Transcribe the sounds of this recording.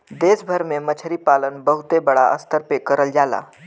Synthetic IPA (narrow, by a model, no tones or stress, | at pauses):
d̪esbʱəɾmemət͡ʃʰəɾiːpalənbəɦut̪ebəɽaʔəst̪əɾpekːəɾəld͡ʒala̰